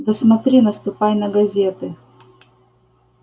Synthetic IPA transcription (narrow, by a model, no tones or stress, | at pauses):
d̪ɐsmɐt̪ɾʲinɐst̪ʊpajnɐɡɐzʲet̪ɨ